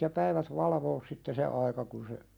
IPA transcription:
jɑ pæiʋæt ʋɑlɑʋoːs sitːe se ɑikɑ kun se

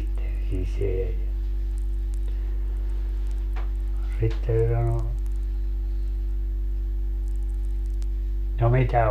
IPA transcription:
sitːen siseæ jɑ sitːe se sɑno no no mitæ

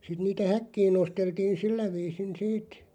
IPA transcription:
sit niːtæ hækːiːn nosteltiːn silːæ ʋiːsin siːt

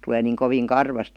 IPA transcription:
tuleː niːŋ koʋiːn kɑrʋɑst

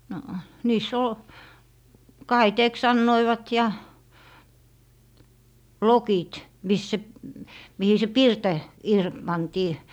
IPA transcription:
no niːsː ol kɑiteːks sɑnːoiʋɑt jɑ lokit mis se mihi se pirtɔ ir pɑntiː

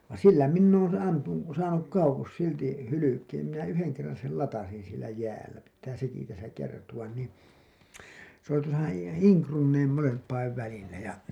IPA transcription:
ʋɑn̞ silːæ minː oːn ɑmpu sɑːnuk kɑuwos silti hylykeːm minæ yheŋ kerːɑn̞ sel lɑtɑsin sielæ jæːlːæ pitːæː seki tæsæ kertuwɑn niː s oli tuosɑ iːŋ krunːeim molempˑɑiʋ ʋælilːæ jɑ

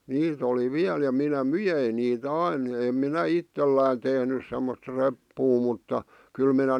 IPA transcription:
niːt oli ʋiæl jɑ minæ myjein niːt ɑin em minæ itːelːæˑin tehnys semːost repːuː mutːɑ kyl minæ

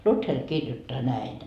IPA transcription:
luther kirjotːɑː næin

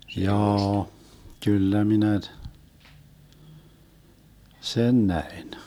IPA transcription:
jɑːɑ kylːæ minæ t sen næin

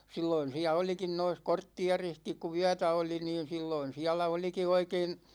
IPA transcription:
silːoin siæ olikin nois kortːiɑrihkik ku yætæ oli niːn̞ silːoin siɛlæ oliki oikein

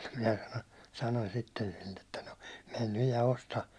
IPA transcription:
minæ sɑno sɑnonʲ sitːen silːe tːɑ no men nyj jɑ ostɑ

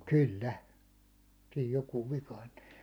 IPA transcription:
kylːæ siːj jokuːʋ ʋikɑintu̥

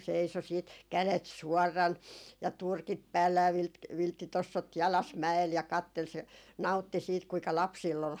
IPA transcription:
seiso siːt kælet suɔrːɑn jɑ turkit pæːlːæ jɑ ʋi ʋiltːitosːot jɑlɑs mæel jɑ kɑtːel se nɑu̞tːi siːt kuikɑ lɑpsiːlː ol

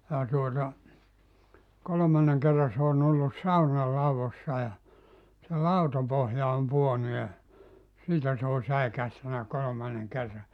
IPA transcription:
jɑ tuotɑ kolŏmɑnːeŋ kerːɑ s oːn olːus sɑunɑ lɑuʋosːɑ jɑ se lɑutɑpohjɑ om puonu jɑ siːtæ se on̞ sæikæhtænæ kolomɑnːeŋ kerːɑ

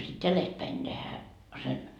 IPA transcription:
sit jælestpæin tehæ sen

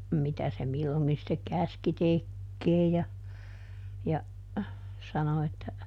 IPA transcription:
mitæ se milːoŋki sĭtːek kæski tekːeːj jɑ jɑ sɑno etːæ

